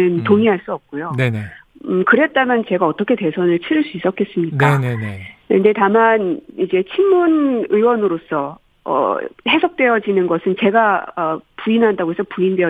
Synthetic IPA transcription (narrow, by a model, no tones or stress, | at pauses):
ɯntoŋiɦaɭs͈uʌp̚k͈ojoneekɯɾe̞t̚t͈amjʌnt͡ɕe̞ɡaʌt͈ʌkʰe̞te̞sʰʌnɯɭt͡ɕʰiɾɯɭs͈uis͈ʌk͈ʰe̞s͈ɯmɲik͈aneɯnde̞tamanid͡ʑe̞t͡ɕʰinmunɯwʌnɯɾos͈ʰʌ | ʌ̰he̞sʰok̚t͈we̞jʌd͡ʑinɯnɡʌsʰɯnt͡ɕe̞ɡaʌpuinɦandaɡoɦes͈ʰʌpuindwe̞ʌ